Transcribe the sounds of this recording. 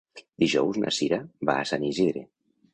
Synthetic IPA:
d̪̥iʒɔwzna̰siɾaβa̰ːsaniziðɾe

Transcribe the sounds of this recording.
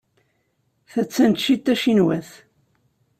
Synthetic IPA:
θæt͡sːænt̪ʃit̪ːæʃinwæθ

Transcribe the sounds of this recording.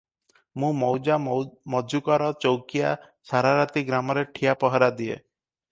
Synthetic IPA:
mũmɔwd͡ʒamɔd͡ʒʱukɔɾɔt͡ʃɔwkija | saɾaɾat̪iɡɾamɔɾeʈʰijapɔɦɔɾad̪iḛ

